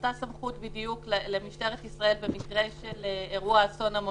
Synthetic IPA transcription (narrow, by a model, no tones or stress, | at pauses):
t̪asamχutbidijukllemiʃte̞ʁet̪isʁae̞lbe̞mikʁe̞ʃeleeʁuaso̞namo